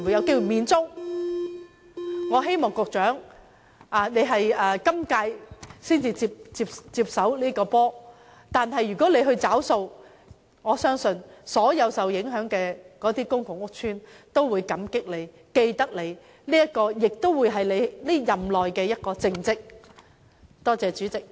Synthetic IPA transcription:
mwu˨jɐ˨˧wke˥wu˨˩miː˨nt͡sʊ˥ŋ | ŋɔː˨˧ɦe˥jmɔː˨˩ŋkʊ˨k̚t͡ʃœː˨˥ŋ | ʔaː˨˩ne˨˧jɦɐ˨jɐː˨˧kɐ˥mkaː˧jsiː˥nt͡siː˧t͡siː˧p̚t͡siː˧p̚t͡siː˧p̚sɐ˨˥wliː˥kɔː˧pɔː˥ | t̪aː˨nɦɐ˨jːyː˨˩kɔː˨˥le˨˧jɦɵ˧t͡saː˨˥wso˧w | ŋɔː˨˧sœː˥ŋsɵ˧nsɔː˨˥jɐ˨˧wsɐ˨wjɪ˨˥ŋɦœː˨˥ŋkɛː˧kɔː˨˥t̪iː˥kʊ˥ŋkʊ˨ŋʊ˥k̚t͡ʃʰyː˥nt̪o˥wwuː˨˧jkɐ˨˥mkɪ˥k̚le˨˧j | ke˧jt̪ɐ˥k̚le˨˧j | liː˥jɐ˥t̚kɔː˧jɪ˨k̚t̪o˥wwu˨˧jɦɐ˨jle˨˧jli˥jɐ˨mlɔː˨jkɛː˧jɐ˥t̚kɔː˧t͡sɪ˧ŋt͡sɪ˥k̚ | t̪ɔː˥t͡sɛː˨˧t͡syː˨˥t͡sɪ˨k̚

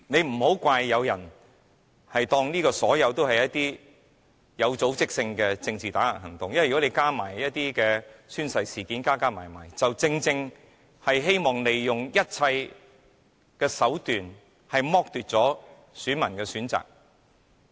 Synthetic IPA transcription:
ne˨˧jm̩˨˩ɦo˨˥wkʷaː˧jːɐ˨˧wjɐ˨˩n | hɐ˨jt̪ɔː˧ŋniː˥kɔː˧sɔː˨˥jɐ˨˧wt̪o˥whɐ˨jɐ˥t̚t̪iː˥ | jɐ˨˧wt͡so˨˥wt͡sɪ˥k̚sɪ˧ŋkɛː˧t͡sɪ˧ŋt͡siː˨t̪aː˨˥la̰ː˨˩nɦɐ˨˩ŋt̪ʊ˨ŋjɐ˥wjɔ˨˥ne˨˧jkaː˥ma̰ː˨˩jjɐ˥t̚t̪iː˥kɛː˧syː˥nsɐ˧jsiː˨kiː˨˥nkaː˥kaː˥ma̰ː˨˩jma̰ː˨˩jt͡sɐ˨wt͡sɪ˧ŋt͡sɪ˧ŋ | hɐ˨jɦe˥jmɔː˨˩ŋle˨jːʊ˨ŋjɐ˥t̚t͡sʰɐ˧j | kɛː˧sɐ˨˥wt̪yː˨n | hɐ˨jmɔː˥k̚t̪yː˨t̚t͡sɔː˨˥ | syː˨˥nmɐ˨˩nkɛː˧syː˨˥nt͡sa̰ː˨k̚

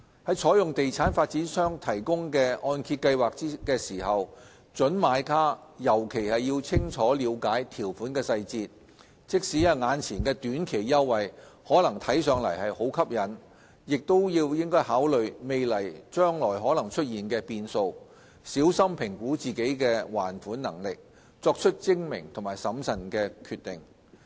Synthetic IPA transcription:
hɐ˨˥jt͡ʃʰɔː˨˥jʊ˨ŋt̪e˨jt͡sʰaː˨˥nfaː˧t̚t͡siː˨˥nsœː˥ŋt̪ʰɐ˨˩jkʊ˥ŋkɛː˧ʔɔː˧nkʰiː˧t̚kɐ˧jwaː˨k̚t͡siː˥kɛː˧siː˨˩hɐ˨w | t͡ʃɵ˨˥nmaː˨˧˥jkʰaː˥jɐ˨˩wkʰe˨˩jhɐ˨jːiː˧wt͡sʰɪ˥ŋt͡ʃʰɔː˨˥liː˨˧wkaː˨˥jt̪ʰiː˨˩wfuː˨˥nkɛː˧sɐ˧jt͡siː˧t̚ | t͡sɪ˥k̚siː˨˥jɐ˨˧ŋaː˨˧nt͡sʰiː˨˩nkɛː˧t̪yː˨˥nkʰe˨˩jːɐ˥wːɐ˨jhɔː˨˥lɐ˨˩ŋt̪ʰɐ˨˥jsœː˨˧ŋlɐ̰˨˩jhɐ˨jho˨˥wkʰɐ˥p̚jɐ˨˥n | jɪ˨k̚t̪o˥wjiː˧wjɪ˥ŋkɔː˥jhaː˨˥wlɵ˨ɥme˨jlɐ˨˩jt͡ʃœː˥ŋlɔː˨˩jɦɔː˨˥lɐ˨˩ŋt͡ʃʰɵ˥t̚jiː˨nkɛː˧piː˧nso˧w | siː˨˥wsɐ˥mpʰɪ˨˩ŋkuː˨˥t͡siː˨ke˨˥jkɛː˧waː˨˩nfuː˨˥nnɐ˨˩ŋlɪ˨k̚ | t͡sɔː˧k̚t͡ʃʰɵ˥t̚t͡sɪ˥ŋmɪ̰˨˩ŋt̪ʰʊ˨˩maː˨˩jsɐ˨˥msɐ˨˩nkɛː˧kʰyː˧t̪ɪ˨˩ŋ

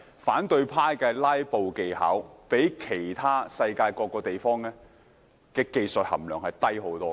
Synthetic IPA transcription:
faː˨˥nt̪ɵ˧ɥpʰaː˥jkɛː˧laː˥jpo˨˧wke˨jha̰ː˨˥wpe˨˥jkʰe˨˩jt̪ʰaː˥sɐ˧jkaː˧jkɔː˧kːɔː˧t̪e˨jfɔː˥ŋlɛː˥ | kɛː˧ke˨˧jsɵ˨t̚hɐ̰˨˩mlœː˨˩ŋhɐ˨jt̪ɐ˥jɦo˨˥wt̪ɔː˥

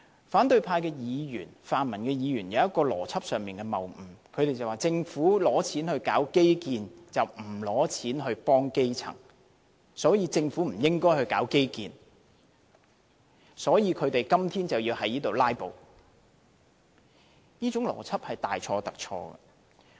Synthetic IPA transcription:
faː˨˥nt̪ɵ˧ɥpʰaː˧jkɛː˧jiː˨˧jy̰ː˨˩nfaː˨nmɐ˨˩nkɛː˧jiː˨˧jyː˨˩njɐ˨˧wjɐ˥t̚kɔː˧lɔ̰ː˨˩t͡sʰɐ˥p̚sœː˨ŋmiː˨nkɛː˧mɐ˨˩wm̩˨˩kʰɵ˨˧ɥt̪e˨jt͡sɐ˨waː˨t͡sɪ˧ŋfuː˨˥lɔː˨˥t͡sʰiː˨˥nhɵ˧ɥkaː˨˥wke˥jkiː˨˧nt͡sɐ˨wm̩˨˩lɔː˨˥t͡sʰiː˨˥nɦɵ˧ɥpɔː˥ŋke˥jt͡sʰɐ̰˨˩ŋ | sɔː˨˥jiː˨˧t͡sɪ˧ŋfuː˨˥m̩˨˩jɪ˥ŋkɔː˥jhɵ˧ɥkaː˨˥wke˥jkiː˨˧n | sɔː˨˥jiː˨˧kʰɵ˨˧ɥt̪e˨jkɐ˥mt̪ʰiː˥nt͡sɐ˨wjiː˧whɐ˨˥jniː˥t̪o˨wlaː˥jpo˨˧w | niː˥t͡sʊ˨˥ŋlɔ̰ː˨˩t͡sʰɐ˥p̚hɐ˨jt̪aː˨jt͡ʃʰɔː˧t̪ɐ˨k̚t͡ʃʰɔ̰ː˧ɡɐ̰˧

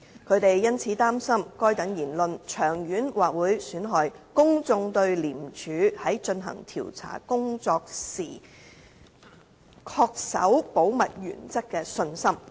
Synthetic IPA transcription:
kʰɵ˨˧ɥt̪e˨jjɐ˥nt͡sʰiː˨˧˥t̪aː˥msɐ˥mkɔː˥jt̪ɐ˨˥ŋjiː˨˩nlɵ˨nt͡ʃʰœː˨˩ŋjyː˨˥nwaː˨˩k̚wuː˨˥jsyː˨˥nɦɔː˨˧jkʊ˥ŋt͡sʊ˧ŋt̪ɵ˧ɥliː˨˩mt͡ʃʰyː˨˧hɐ˨˥jt͡ʃɵ˧nɦɐ̰˨˩ŋt̪ʰḭː˨˩wt͡sʰa̰ː˨˩kʊ˥ŋt͡sɔː˧k̚siː˨˩ | kʰɔː˧k̚sɐ̰˨˥wpo˨˥wmɐ˨t̚jy̰ː˨˩nt͡sɐ˥kːɛː˧sɵ˧nsɐ˥m

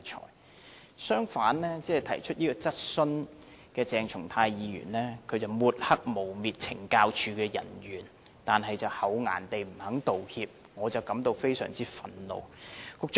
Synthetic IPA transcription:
t͡ʃʰɔ̰ː˨˩j | sœː˥ŋfaː˨˥nlɛː˥t͡sɛː˥˨˩t̪ʰɐ̰˨˩jt͡ʃʰɵ˥t̚jiː˥kɔː˧t͡sɐ˥t̚sɵ˥n | kɛː˧t͡sɛː˨ŋt͡ʃʰʊ˨˩ŋt̪ʰaː˧jjiː˨˧jy̰ː˨˩nlɛː˥kʰɵ˨˧ɥt͡sɐ˨wmuː˨˧t̚hɐ˥k̚mo˨˩wmiː˨t̚t͡sʰɪ̰˨˩ŋkaː˧wt͡ʃʰyː˧kɛː˧jɐ̰˨˩nɥyː˨˩n | t̪aː˨nɦɐ˨jt͡sɐ˨whɐ˨˧wŋa̰ː˨˩nt̪e˨jm̩˨˩hɐ˨˥ŋt̪o˨whiː˧p̚ | ŋɔː˨˧t͡sɐ˨˩wkɐ˨˥mt̪o˧wfe˥jsœ̰ː˨˩ŋt͡siː˥fɐ˧nlo̰˨˧wkʊ˨˧k̚

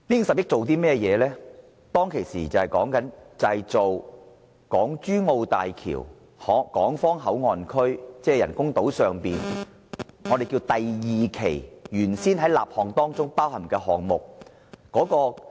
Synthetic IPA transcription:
liː˥ŋsɐ˨p̚jɪ˥k̚t͡so˨wt̪̬iː˥mɛː˥˩jɛː˨˧lɛː˥ | t̪ɔː˥ŋkʰe˨˩jsiː˨˩t͡sɐ˨whɐ˨jkɔː˨˥ŋkɐ˨˥nt͡sɐ˨hjt͡so˨w | kɔː˨˥ŋt͡ʃyː˥ŋo˧wt̪aː˨jkʰḭː˨˩w | hɔː˨˥kɔː˨˥ŋfɔː˥ŋɦɐ˨˥wŋɔː˨nkʰɵ˥ɥt͡sɛː˥jɐ̰˨˩nkʊ˥ŋt̪o˨˥wsœː˨ŋpiː˨n | ŋɔː˨˧e˨jkiː˧wt̪ɐ˨jjiː˨kʰe˨˩jjyː˨˩nsiː˥nɦɐ˨˥jlaː˨p̚hɔː˨ŋt̪ɔː˥ŋt͡sʊ˥ŋpaː˥whɐ˨˩mkɛː˧ɦɔː˨ŋmʊ˨k̚ | kɔː˨˥kɔː˧

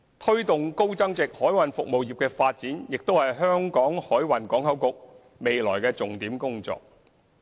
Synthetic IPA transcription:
t̪ʰɵ˥ɥt̪ʊ˨ŋko˥wt͡sɐ˥ŋt͡sɪ˨k̚hɔː˨˥jwɐ˨nfʊ˨k̚mo˨wjiː˨˩p̚kɛː˧faː˧t̚t͡siː˨˥njɪ˨k̚t̪o˥whɐ˨jɦœː˥ŋkɔː˨˥ŋhɔː˨˥jwɐ˨˩nkɔː˨˥ŋhɐ˨˥wkʊ˨k̚ | me˨jlɔ̰ː˨˩jkɛː˧t͡sʊ˨ŋt̪iː˨˥mkʊ˥ŋt͡sɔ̰ː˨k̚

